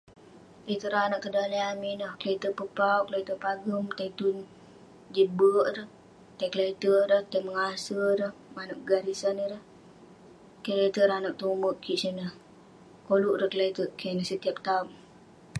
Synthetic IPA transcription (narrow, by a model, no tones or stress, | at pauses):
t̪et̪əɾanaʔkːədaleaminəhkəlet̪əpəpauklat̪əpaɡəmt̪ait̪un | d͡ʒit̪̚bəʔɾəh | t̪akəlait̪əɾəht̪aməŋasəɾəhmanəʔɡaɾisanəɾəh | kəlet̪əɾanaʔ̚t̪uməʔkʰːiʔsənəh | koluʔɾəhkəlait̪əkʰanəhsət̪iap̚t̪aum